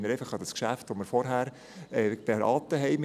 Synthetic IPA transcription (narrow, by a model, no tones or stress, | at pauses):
məɾɛɪfəχɑd̥ɑskʃæftʋoməɾfɔɾɦæːɾ | ɛːpeɾɑ̰ːtəɦɛɪm